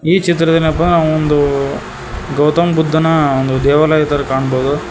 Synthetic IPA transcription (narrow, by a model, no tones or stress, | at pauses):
iːt͡ʃit̪ɾɐd̪ɐnɐp̬ːɐnɾnaːond̪u | ɡɐwt̪ɐmbud̪ʱːɐnɐond̪ud̪ɛːʋɐlaːjɐt̪ɐɾkaːɳboːd̪u